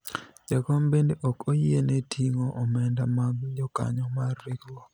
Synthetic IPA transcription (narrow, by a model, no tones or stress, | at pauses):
d͡ʒakɔmbendeʔɔkojienetʰiŋoʔɔmɛndamaɡd͡ʒɔka̰ɲɔmarːɪkwɔ